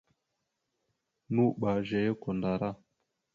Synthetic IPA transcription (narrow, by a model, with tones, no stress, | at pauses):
nu˦ɓa˨ʒɛ˨je˦ko˨nda˨ɾa˦˨